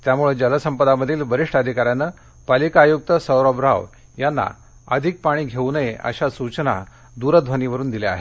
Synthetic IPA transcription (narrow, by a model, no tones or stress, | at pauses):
t̪jamuɭed͡ʑələsəmpəd̪aməd̪ʱiːlʋəɾiʂʈəd̪ʱikaɾjanːəː | palikaːjuk̚t̪əsəwɾɔbɾaʋ | janːa̰ | ə̰d̪ʱik̚paɽ̃iːɡʱeunəjeʔə̰ɕasut͡ɕna̰ | d̪uɾəd̪ʱʋəniʋəɾuːnd̪ilea̰ɦe